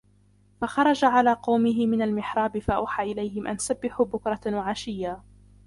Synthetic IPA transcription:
fɑxɑɾˤɑd͡ʒaʕalaːqɑwmɪɦɪmɪnalmɪħɾˤɑːbɪfaʔa̰wħaːʔɪlajhɪmʔa̰nsabːɪħuːbʊkɾˤɑwaʕaʃɪjːaː

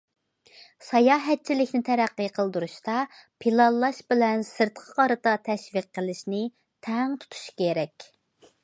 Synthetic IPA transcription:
sɑjɑːɦɛt̪̚t͡ʃʰilɪkʲnɪt̪ʰɛɾæqːəqʰəlˠd̪uɾuʃt̪ɑpʰilˠɑllˠːɑʃbɪlɛnsɨɾt̪qʰɑ̥qʰɑɾɨt̪ɑt̪ʰɛʃviqːəlˠɪʃnɪ | t̪ʰɛŋt̪ʰu̥t̪ʰu̥ʃkʲeɾɛkʲ

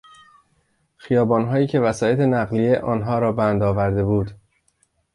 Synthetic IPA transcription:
xijɒːbɒːnɦɒːjiːcʰe̞væsɒːje̞t̪ʰe̞næɣlije̞ʔɒːnɦɒːɾɒːbænd̪ɒːvæɾd̪e̞buːd̪

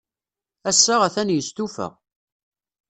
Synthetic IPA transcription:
æsːaʁæθænjəst̪ufæ̰ʁ

